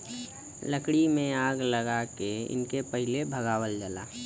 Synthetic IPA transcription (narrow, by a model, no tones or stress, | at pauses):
ləkɽimẽaːɡləɡakeɪ̰nkepəɦɪlebʱəɡaːwəld͡ʒəla̰ː